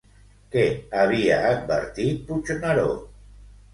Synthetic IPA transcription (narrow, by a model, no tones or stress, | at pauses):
keaβiaːt̪̚bḛɾt̪it̪̚put͡ʃonaɾo̰